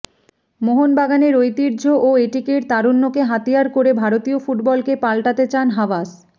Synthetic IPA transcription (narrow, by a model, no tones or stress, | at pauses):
moɦonbaɡaneɾojt̪iɾd͡ʑʱoʔoeʈikeɾt̪aɾunːokeɦat̪ijaɾkoɾebʱaɾot̪iofuʈbɔlkepalʈat̪et͡ɕanɦawas